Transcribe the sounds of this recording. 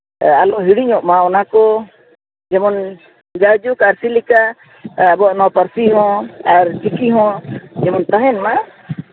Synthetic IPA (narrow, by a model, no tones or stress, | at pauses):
alɔʔɦiɽiɲɔʔmaɔnakɔ | d͡ʒɛmɔn | d͡ʒad͡ʒukaɾsilikaː | bɔaʔnɔpaɾsiɦɔ̃aɾt͡ʃikiɦɔ̃d͡ʒɛmɔnt̪aɦɛnma